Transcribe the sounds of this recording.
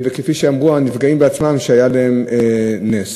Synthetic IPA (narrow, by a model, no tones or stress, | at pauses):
vekefiʃeamʁuanifɡaimbeat͡smamʃeajalaemenes